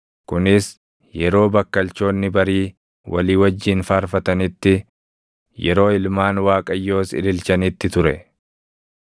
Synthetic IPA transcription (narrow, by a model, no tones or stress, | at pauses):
kʊnɪs | jɛɾo̞ːbɐkːɐlt͡ʃo̞ːnːɪbɐɾiː | wʔɐ̰liːwɐd͡ʒːɪːnfaːɾfɐt̪ɐnɪt̪ːɪ | jɛɾo̞ːɪlmaːnwaːkʼɐjːo̞ːsɪ̰lɪlt͡ʃɐnɪt̪ːɪt̪ʊɾɛ